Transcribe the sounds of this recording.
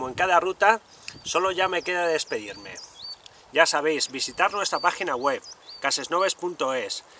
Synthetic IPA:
oeŋkaðarut̪a | so̞lo̞ʝame̞keðaðe̞speðiɾme̞̰ | ɟ͡ʝasaβe̞jzbisit̪aɾnwe̞st̪ɾapaxinaɣwe̞βkase̞zno̞β̞e̞spunt̪o̞e̞s

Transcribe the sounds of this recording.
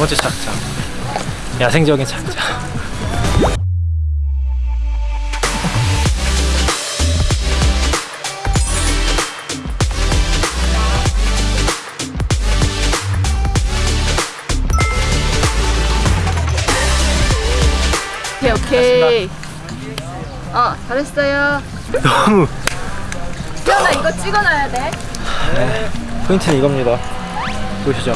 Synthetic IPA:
ot͡ɕet͡ɕʰak̚t͡ɕa | jasʰeŋd͡ʑʌɡint͡ɕʰakt͡ɕa | okʰeokʰe | at͡ɕaɾess͈ʌjo | nʌmu | iɾʌnaiɡʌt͡ɕ͈iɡʌnajadenekʰɯiŋtʰɯniiɡʌmɲida | poɕʰid͡ʑo

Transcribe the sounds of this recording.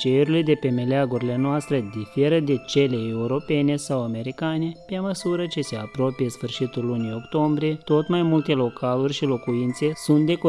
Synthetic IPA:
t͡ʃeɾile̞d̪e̞pe̞me̞leaɡuɾile̞noast̪ɾe̞d̪ife̞ɾəd̪e̞t͡ʃe̞le̞euɾo̞pe̞ne̞sawame̞ɾikane̞pe̞məsuɾət͡ʃe̞se̞apɾo̞pije̞sfɨrʃit̪ulːunio̞kt̪o̞mbɾije̞t̪o̞t̪majmult̪e̞lo̞kʰalurʲʃilo̞kuint̪se̞sunt̪̚d̪e̞ko

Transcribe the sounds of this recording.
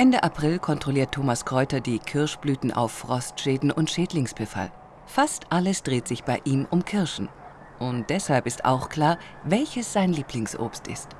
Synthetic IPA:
ʔɛndəʔapʁ̥ɪlkʰɔntʁ̥ɔliːɐtʰːoːmaskʁ̥ɔʏtɐdiːkʰɪɐʃb̥lyːtn̩ʔa̰ʊfːʁ̥ɔstʃeːdn̩ʔʊntʃeːtlɪŋsb̥əfa̰l | fastʔaləsd̥ʁeːtz̥ɪçb̥aɪʔiːmʔʊmkʰɪɐʃn̩ | ʔʊnt̚d̥ɛshalpɪstʔa̰ʊxkl̥aːɐ | vɛlçəsz̥aɪnliːpʰlɪŋsʔo̰ːpstɪ̰st

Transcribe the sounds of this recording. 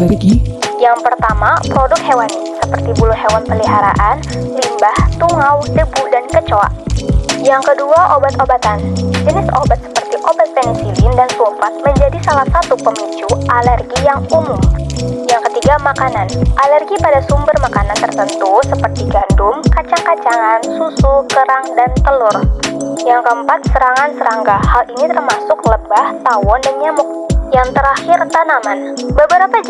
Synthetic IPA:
lɛrɡijaŋpərt̪amapɾodʊk̪̚hewanisəpərt̪ibulʊɦewanpəliɦaɾa̰ʔanlimbaht̪uŋawdəbudankət͡ʃoa̰ | jaŋkəduaʔobat̪obat̪and͡ʒənɪso̰bat̪̚sə̥pərt̪iʔobat̪̚pɛnisilindansupat̪̚məɲd͡ʒadisalahsat̪upəmit͡ʃuʔalɛrɡijaŋumʊmjaŋkət̪iɡamakananʔalɛrɡipadasumbərmakanant̪ərt̪ənt̪usəpərt̪iɡandʊmkat͡ʃaŋkat͡ʃaŋansusukəɾaŋdant̪əlʊrjaŋkəəmpat̪̚səɾaŋansəɾaŋɡahalinit̪ərmasʊkləbaht̪awɔndanɲamʊk̚jaŋt̪əɾaxɪrt̪anamanbəbəɾapa

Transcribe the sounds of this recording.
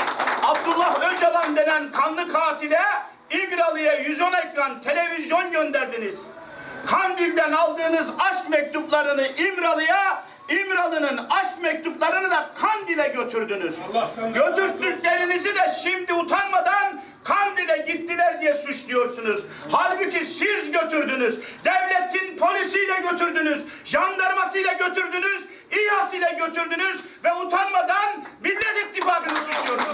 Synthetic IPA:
ab̚d̪ulˠːahød͡ʒalˠand̪e̞nænkʰanlˠɯkʰaːt̪ʰilʲɛ | imɾalˠɯjajyzonecɾant̪ʰe̞lʲe̞vizjo̞nɟønd̪æɾd̪iniz̥ | kʰand̪ilʲd̪ænalˠd̪ɯːnɯzaʃkmɛc̚t̪ʰuplˠaɾɯnɯʔimɾalˠɯja | imɾalˠɯnɯnaʃkmɛc̚t̪ʰuplˠaɾɯnɯd̪akʰand̪ilʲɛɟøt̪ʰyɾd̪ynyz̥ɟø̞t̪yɾt̪d̪yclʲe̞ɾinizid̪ɛʃimd̪iut̪ʰanmad̪an | kʰand̪id̪ɛɟit̪ːilʲæɾd̪ijɛsuʃlˠujo̞ɾsunuz | halʲbɯcʰisiɾzzɟø̞t̪ʰyɾd̪ynyzd̪ɛvlʲet̪ʰinpʰo̞lʲisijlɛɟø̞t̪yɾd̪ynyzʒand̪aɾmasɯjlˠaɟø̞t̪yɾd̪ynyz | ihasɯjlˠaɟø̞t̪yɾd̪ynyz | vɛut̪ʰanmad̪anbilʲːed͡ʒit̪ːifaːkɯnɯsuʃlˠujoɾ

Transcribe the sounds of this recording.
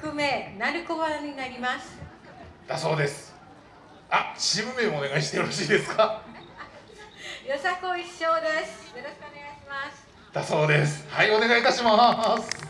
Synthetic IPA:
kɯ̟me̞naɾɯ̟koβaɲ̟inaɾʲimasɨ̥ | d̪̥aso̞ːd̪e̞sɨ̥ | aɕibɯ̟me̞ːmoone̞ɡaiɕit̪eoɾoɕiːd̪e̞sɨ̥kʰa | jo̞sakoiɕːo̞ːd̪esɨ̥jo̞ɾoɕkɯone̞ɡaiɕimasɨ̥ | d̪̥aso̞ːd̪e̞sɨ̥haio̞ne̞ɡait̪aɕimasɨ̥

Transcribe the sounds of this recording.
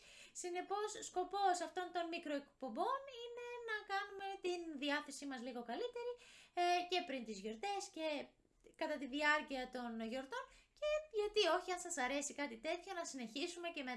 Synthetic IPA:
sine̞po̞sːko̞po̞sɐft̪o̞nt̪o̞nmikɾo̞ekpo̞mbo̞nine̞nɐkɐnume̞t̪inðiɐθe̞simɐzliɣo̞kɐlit̪e̞ɾice̞pɾint̪izʝo̞ɾt̪e̞sce̞ | kɐt̪ɐt̪iðiɐɾciɐt̪o̞nʝo̞ɾt̪o̞nce̞ʝɐt̪io̞çiɐnsɐsɐɾe̞sikɐt̪it̪e̞t̪ço̞nɐsine̞çisume̞ce̞me

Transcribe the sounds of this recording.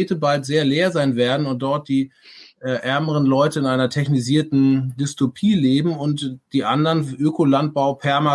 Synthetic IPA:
eːtəbaltz̥eːɐleːɐzaɪnveːɐdn̩ʊnt̚d̥ɔɐt̚d̥iː | ʔɛːʔɛɐməʁənlɔʏtəɪnʔaɪnɐtʰɛçniziːɐtn̩dʏstopʰiːleːbm̩ʊntd̥iːʔandɐnʔøːkʰolant̚b̥aʊpʰɛɐma

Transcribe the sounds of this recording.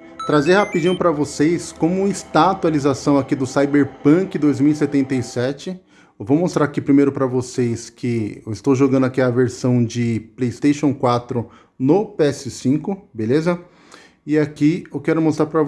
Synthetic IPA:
t̪ɾazehapid͡ʒĩɲʊpɾɐvosejskõmʊist̪at̪ualizasɐ̃w̃akid̪ʊsajbeɾpɐ̃kɪd̪ojzmiwiset̪ẽnt̪ɐisɛt͡ʃɪ | wvomost̪ɾaɾakipɾimejɾʊpɾɐvosejskʰɪewɪst̪owʒoɡɐ̃nd̪akiɐveɾsɐ̃w̃d͡ʒɪplejst̪ejʃõw̃kwat̪ɾʊ | nʊpeɛsɪsĩŋkʊbelezɐ | ɪakiewkɛɾʊmost̪ɾaɾpɾɐ

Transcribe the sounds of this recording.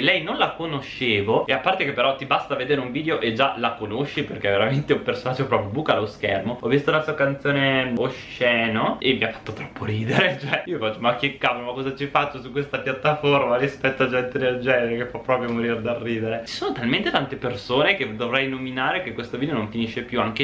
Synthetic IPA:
lɛjnonlakonoʃːeːvoeapːart̪ekepːeɾɔt̪ibast̪aved̪eːɾeuɱviːd̪eoʔed͡ʒalakonoʃːiperkɛveɾament̪eumpersonad͡ʒːopɾɔpɾjobuːkaloskɛ̰rmoɔvist̪ounlasuakant̪sjoːneoʃ | ɛːnoʔemːiafːḁt̪ːot̪ɾɔppːoɾiːd̪eɾet͡ʃoɛiofat͡ʃːomakːekːapolomakːɔzat͡ʃifat͡ʃːosukwest̪apjat̪ːaformaɾispɛt̪ːoad͡ʒɛnt̪ed̪eld͡ʒɛneɾekefapːɾɔpɾjomoɾiɾd̪arːiːd̪eɾet͡ʃi̥soːnot̪alment̪et̪ant̪epersoːneked̪ovɾɛjnominaːɾekekːwest̪ovid̪eonoɱfiniʃːepjuaŋke

